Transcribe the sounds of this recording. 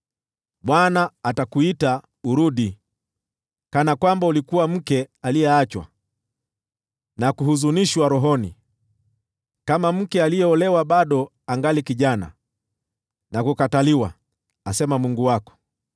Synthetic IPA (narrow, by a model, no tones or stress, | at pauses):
ɓwanaːtakuita | uɾuɗi | kanakwambaulikuwam̩kɛaliɛat͡ʃwa̰ | nakuhuzuniʃwaɾɔɦɔnḭ | kamam̩kɛalijɛɔlɛwaɓaɗɔ | aŋɡalikiʄana̰ | nakukataliwa | asɛmamuŋɡuwakɔ̥